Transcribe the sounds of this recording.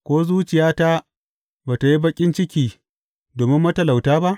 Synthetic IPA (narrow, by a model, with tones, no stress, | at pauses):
kʷoː˦zuː˦t͡ʃɪ˨jaː˦ta˦ | baː˨ta˨ji˦bɐ˦kʲʼɪ˦nt͡ʃɪ˦kʲiː˨ | doː˨mɪ˦mːɐ˦tɐ˨la˨wtaː˦ba˦ʔ